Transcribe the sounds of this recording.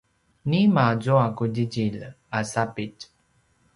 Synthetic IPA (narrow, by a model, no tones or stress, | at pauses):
nimazoakudiɟil | asapit